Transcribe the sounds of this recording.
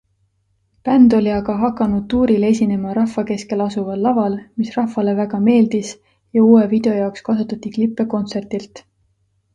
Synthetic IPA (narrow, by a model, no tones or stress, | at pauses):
pænd̪̥o̞lʲiɑɡɑɦɑkːˑɑnud̪̥̚t̪uːɾile̞sʲine̞mɑɾɑhːɑke̞ske̞lɑsuvɑlːɑvɑlmisrɑhvɑle̞væɡ̥ɑme̞ːld̪̥is | jɑuːwevid̪̥e̞o̞jɑokskɑsut̪ːˑɑt̪ːˑiklipːˑe̞ko̞nt̪se̞rt̪ilt̪ˑ